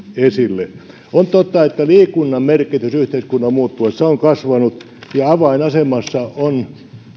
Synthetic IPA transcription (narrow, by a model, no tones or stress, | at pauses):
esilːe | ont̪ot̪ːɑet̪ːæliːkunːɑmmerkit̪ysyht̪eiskunːɑmmuːt̪ːuɑsseoŋkɑsʋɑnut̪ | jɑɑʋɑinɑsemɑsːɑon